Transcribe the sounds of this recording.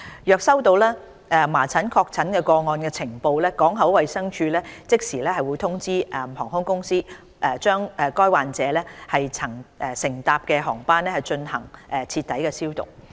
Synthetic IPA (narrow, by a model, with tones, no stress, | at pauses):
jœː˨k̚sɐ˥wt̪o˧wlɛː˥ | ʔɛ˨maː˨˩t͡sʰɐ˨˥nkʰɔː˧k̚t͡sʰɐ˨˥nkɛː˧kɔː˧ŋɔː˧nkɛː˧t͡sʰɪ˨˩ŋpo˧wlɛː˥kɔː˨˥ŋɦɐ˨˥wwɐ˨jsɐ˥ŋt͡ʃʰyː˧lɛː˥t͡sɪ˥k̚siː˨˩lɛː˥hɐ˨jwu˨˧jt̪ʰʊ˥ŋt͡siː˥ʔɛ˨˧mhɔː˨˩ŋhʊ˥ŋkʊ˥ŋsiː˥ | ʔɛː˨t͡ʃœː˥ŋɛ˨kɔː˥jwaː˨nt͡sɛː˨˧lɛː˥hɐ˨jt͡sʰɐ˨˩ŋʔɛː˨˩sɪ˨˩ŋt̪aː˨p̚kɛː˧ɦɔː˨˩ŋpaː˥nlɛ˥hɐ˨jt͡ʃɵ˧nhɐ̰˨˩ŋʔɛː˨˩t͡sʰiː˧t̪̚ːɐ˨˥jkɛː˧siː˥wt̪ʊ̰˨˩ŋ̚